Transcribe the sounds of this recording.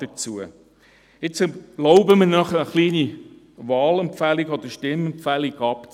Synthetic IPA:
d̥ət͡suə | ɪt͡sə̥lɔʊbəmənœχəəχliːni | ʋɑːlɛmpfæliɡɔd̥̪əʃtɪmɛmpfæliɡɑpt͡s

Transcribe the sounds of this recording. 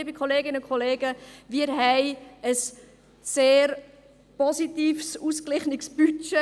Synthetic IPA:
ibikʰχɔleːɡɪnəʊnkχoleːɡəʋɪːɾɦɛɪəsː | eːɾ | pɔsit̪iːfsuːsklɪχnɪksb̥yt͡ʃe

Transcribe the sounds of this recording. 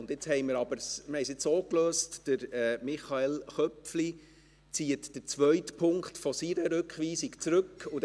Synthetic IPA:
ʊndɪt͡shɛɪməɾɑb̥əɾsməhɛɪsɪt͡ssoːkløːstd̥əɾɛmɪχɑelχœpfli | t͡siːətd̥ət͡sʋœɥtpʰʊŋkχtfɔsiɾəɾʉkχʋiːsikt͡sɾʉkːʊ

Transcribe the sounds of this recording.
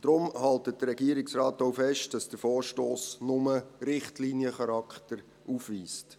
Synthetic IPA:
d̥ɾʊmhɑltət̚dəɾːɛɡiːəɾɪksrɑːtoʊfɛʃtd̥ɑsd̥əfoːɹʃtoːsnʊməɾɪχtlinjəχɑɾɑkχtəɾ | ufʋiːst

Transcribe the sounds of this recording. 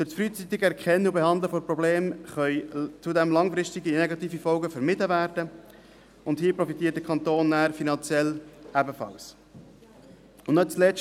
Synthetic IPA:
fɵɾsfɾyːt͡sit̪ɪɡɛɾkʰχɛnːəubehɑnd̪ləfoɾprɔbleːmχœʏt͡sudɛmlɑŋfɾɪʃtɪɡineɡɑt̪iːfifɔlɡəfəɾmɪtəvæːɾdə | ʊnthiːprɔfit̪iːətdəkʰɑnt̪oːnːæːɾfinɑnt͡sjɛlæbəfɑ̰ls | ʊnnœt̚t͡slɛ

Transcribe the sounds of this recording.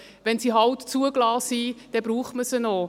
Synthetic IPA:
ʋɛnsiːɦɑwtt͡suəɡlɑːsid̥ɛbɾuːχməsəno

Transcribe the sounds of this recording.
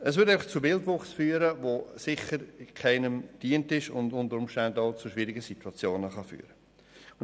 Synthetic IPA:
əsvʏɪɾæɪfɑχt͡subɪldʋʊχsfyːɾəvosɪχəɾɪkʰaɪnəmd̥iːəntɪʃʊ̰ndʊntəɾʊmʃtandaʊt͡suʃʋiːɾɪɡəsitwɑt͡sjoːnəχɑfy̰ːɾə

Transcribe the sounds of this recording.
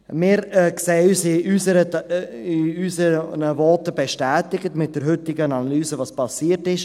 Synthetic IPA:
mɪːɾkseːəyːsɪysəɾə | ɪysənəvɔtəbɛʃtɛːtɪɡətmɪt̚d̥əɾɦʏtɪɡənanalyːzəvɑːspʰɑsiːətɪʃ

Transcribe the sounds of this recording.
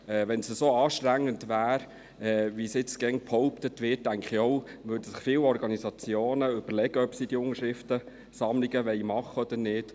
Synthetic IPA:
ɛːʋɛnsəsoɑːʃtɾæŋːəndʋæːɾ | ɛːʋisɪt͡sɡ̥ɛŋphɔʊpt̪ətʋɪːt̚dæŋkχiɔwʋøːdəsɪχfiːwɔɾɡɑnisɑt͡sjoːnəʏb̥əɾlɛɡ̥əœpsid̥iʊŋəʃɾɪft̪ə | sɑmliɡəʋɛɪmɑχːəɔd̥̪ənɪːt

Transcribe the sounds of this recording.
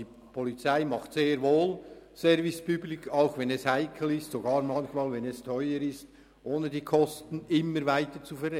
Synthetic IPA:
iː | pʰɔlit͡saɪmɑχtseːɾvoːlsɛɾvɪspyblɪkʰaʊxvɛnɛshaɪkʰl̩ɪstsoɡɑːɾmɑnçmaːlvɛnɛstʰœʏəɾɪst | ʔoːnədiːkʰɔstn̩ɪmːəɾvaɪtət͡sufɛɾɛ

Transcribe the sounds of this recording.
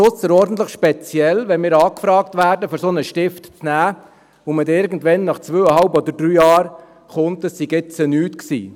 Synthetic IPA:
ʊt͡sːəɾɔɾdn̩t̪ləχʃpɛt͡sjɛlʋɛnmɪːɾɑːkfɾɑːk̚tʋæːɾdəføɾsonəʃtɪftt͡snæː | ʊmətɪɾɡən̩tʋɛnːɑχt͡sʋøːəhɑlbɔdəɾd̥ɾyːjɑːɾ | χʊnt̪əssiɡɪt͡sənyːtksḭː

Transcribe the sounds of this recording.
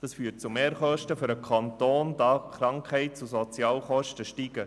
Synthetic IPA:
d̥ɑsfyːt̚t͡sumeːɾχœʃtəfʏɾəkʰɑnt̪oːndɑːχɾɑŋkhɛɪt̚t͡susɔt͡sjɑːlχɔʃtəʃtiɡ̥ə

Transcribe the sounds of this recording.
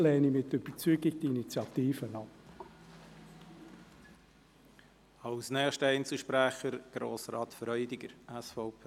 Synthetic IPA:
lɛːnimɪtʏb̥ət͡syːɡɪɡtinit͡sjɑt̪iːfənɑp | ɑwsnɛːχʃtəɛɪnt͡sl̩ˠʃpɾæχəɾɡ̥ɾo̰ːsɾɑːt̪fɾœʏd̪iɡ̥əɾæsfɔʊpʰː

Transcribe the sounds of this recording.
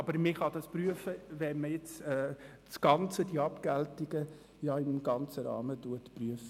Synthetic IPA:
ɑbəɾmɪχɑd̥̪ɑspryəfəʋɛməjɪt͡sɛː | sɡ̥ɑnt͡səd̥iɑpkæltiɡ̥ə | jɑɪmɡ̥ɑnt͡səɾɑ̰ːmətuətpryəf

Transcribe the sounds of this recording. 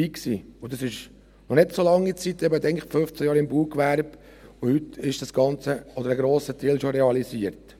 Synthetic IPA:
iːksḭːʊd̪ɑsɪʃ | nɔnɪtsolɑŋːit͡sit̪ːɛbət̪ɛɪŋkføft͡sæjɑːɾɪmbuːkʋæɾb̥ | ʊhyt̪ɪʃd̥ɑsɡ̥ɑnt͡səɔd̪əɾəɡɾoːsət̪ʰɛlʃoɾɛɑliziəɾt

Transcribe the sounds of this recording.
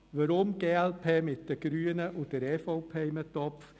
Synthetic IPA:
ʋəɾʊmɡeːɛlpʰeːmɪt̚d̥ɛɡ̥ɾyːənəʔʊd̥ɛɾɛːfoʊpʰeːɪmət̪ɔpf

